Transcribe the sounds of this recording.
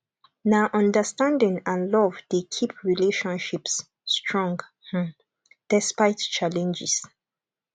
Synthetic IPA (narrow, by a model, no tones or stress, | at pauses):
naʔɔ̃ndəstãndĩŋãnlɔvdekʰip̚ʰɹileʃɔ̃nʃipsː | tʰɹɔ̃ŋɡh | d̥ɛspajtt͡ʃalɛ̃nd͡ʒis